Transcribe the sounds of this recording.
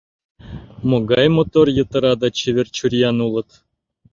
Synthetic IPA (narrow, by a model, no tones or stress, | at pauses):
moɡɑjmot̪orjɤ̆t̪ɤ̆ɾɑd̪ɑt͡ɕeʋʲɘ̆rʲt͡ɕurʲjɑnulˠɤ̆t̪